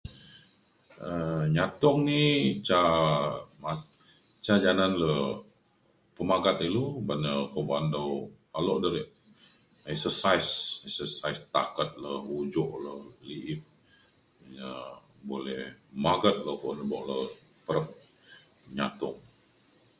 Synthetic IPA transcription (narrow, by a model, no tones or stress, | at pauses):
əɲat̪ɔŋnit͡ʃa | ma | t͡ʃad͡ʒananlə | pəmaɡat̪̚ilubanəkobandow | aloʔdəɾiʔ | ɛksəsajsɛksəsaist̪a̰kət̪̚ləud͡ʒɔʔləliʔɪt̚ | jə | bolɛhmaɡət̪̚ləkonəbɔʔləpəɾəp̚ | ɲa̰t̪ɔ̰ŋ